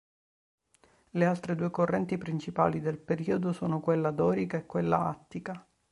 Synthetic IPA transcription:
lealt̪ɾed̪uːekorːɛnt̪ipɾint͡ʃipa̰ːlid̪elpeɾiːod̪osoːnokwelːad̪ɔːɾikaekːwelːa̰a̰t̪ːika

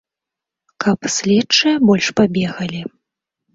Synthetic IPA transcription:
kʰɐpsʲlʲɛt͡ʂːɨjɐbɔlʲʂpabʲɛɣɐlʲi

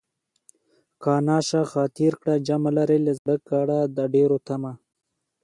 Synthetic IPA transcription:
kɑːnɑːʃaxɑːt̪iɾkɽad͡ʒamalaɾelezd̪əkaɽad̪əɖeɾot̪ama

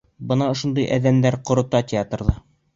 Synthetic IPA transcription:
bɤnɑŏʃŏnd̪ɤjʔæ̰ðæmd̪æɾqŏɾŏt̪ɑtʲɪat̪rðɑ

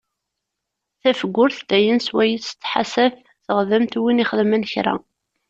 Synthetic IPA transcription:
θæfəɡʷːʊɾθd̪æjənswæjəst͡s̪ːħa̰sæf | θəʁðəmt̪winiχəðmənçɾa̰

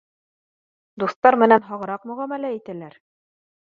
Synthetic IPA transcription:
d̪uθt̪ɑɾmɘ̆nænɦɑʁɤ̆ɾɑqmɵ̆ʁæmælæit̪ælæɾ

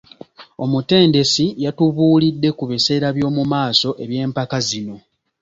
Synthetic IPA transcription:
o̞mute̞ːnde̞sijatuβuːlidːe̞kuβise̞ːɾaβjo̞ːmumaːso̞ʔe̞βje̞ːmpakazino̞

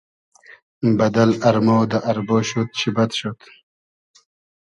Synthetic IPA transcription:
bɐd̪ɐlɐɾmowd̪ɐʔɐɾboːɕot̪̚ɕibɐt̪ɕot̪

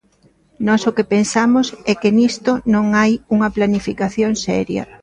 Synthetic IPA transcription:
nɔsʊkɪpensamʊsɛkɪnist̪ʊnõŋajuŋɐplanifikaθjoŋsɛ̰ɾjɐ̰

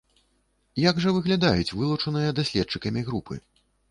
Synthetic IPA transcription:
jaɡʐɐvɨɣlʲad̪ajut͡sʲvɨlˠut͡ʂɐnɨjɐd̪asʲlʲɛt̚t͡ʂɨkɐmʲiɣɾupʰɨ̰

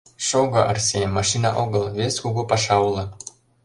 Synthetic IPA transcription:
ʃoɣɤʔərsʲemɑʃinɑ̰ʔoɣɤlβesʲkuɣupɑʃɑwlɤ̆

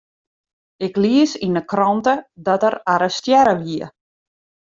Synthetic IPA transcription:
ɪkliəsinəkrɔntədɔtəraɾəstjɛɾəʋiə

